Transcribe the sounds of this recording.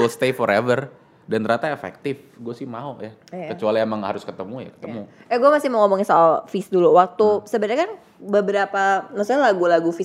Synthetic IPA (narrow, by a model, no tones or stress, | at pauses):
ɪlst̪efɔɾevər | dant̪əɾat̪aefɛ̰k̚t̪ɪf | ɡuasɪhmaoja | kət͡ʃualiemaŋha̰ɾʊskət̪əmuja̰kə̥t̪əmuaɡuɛmasɪhməŋɔmɔŋɪsɔalfɪsduluwak̚t̪usəbəɲakan | bəbəɾapanasɔɲalaɡulaɡufɪs